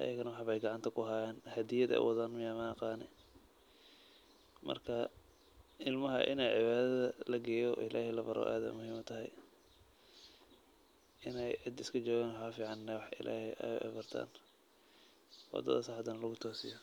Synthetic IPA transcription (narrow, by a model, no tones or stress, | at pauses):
ʔɐ̰jɐɣɐnɐwɑħβɛjɡɑʕɑnt̪ʰɐkʰʊɦaːjɛːnhɐd̪ɪjɐd̪ɛ̰ʊ̰wʔɑðaːnmɪjamɐqɑːnɛ | mɐ̰rkʰɐ | ʔɪlmɐɦɐ̰ʔɪ̰nɛjʕɪβaːðɐðɐlɐɡɛːjɔʔɪlaːhɛlɐbɐɾʔɔ̰ːʔa̰ːðɛ̰mʊɦiːmʊt̪ʰɐɦɛj | ʔɪnɛjʕɪd̪ɪskʰɐd͡ʒɔːɣaːnwħɑfiːʕɑnːɛwɑħʔɪ̰lʔa̰ːhɛʔɛ̰bɐrt̪ʰa̰ːn | wɑ̰d̪ɐ̰ðɐsɑħɑd̪ɐnɐlɐɣʊt̪ʰɔːsɪ̰jɔ